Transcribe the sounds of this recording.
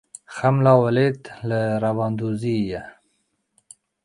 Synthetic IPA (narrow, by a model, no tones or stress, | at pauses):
xamlɑwalet̪ləɾawɑːnd̪uzija